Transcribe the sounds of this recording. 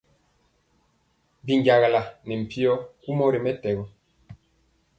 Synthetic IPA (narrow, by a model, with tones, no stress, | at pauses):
bi˨ŋ˦ɡja˨ɣa˨la˨nɛ˨m̩˨pi˦ɔ˦ku˦mɔ˦ɾi˨mɛ˦tɛ˨ɣɔ˨